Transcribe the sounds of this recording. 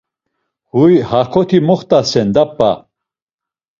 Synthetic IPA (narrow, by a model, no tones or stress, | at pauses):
hujhakʰɔt̪ʰimɔχt̪ʼasɛnd̪apːa̰